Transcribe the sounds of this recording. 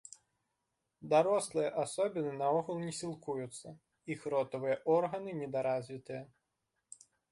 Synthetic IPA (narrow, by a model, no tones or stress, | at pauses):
d̪aɾɔslˠɨjɐʔasɔbʲinɨnɐɔɣɐlˠnʲɛsʲilˠkujut̪sːɐ | ixɾɔt̪ɐvɨjɐʔɔrɣɐnɨnʲɛd̪aɾazʲvʲit̪ɨjɐ